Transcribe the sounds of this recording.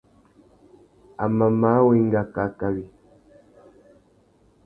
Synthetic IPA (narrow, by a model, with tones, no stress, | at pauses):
a˨ma˨ma˨˦we˦ŋ˦ɡa˨ka˨ka˨wi˨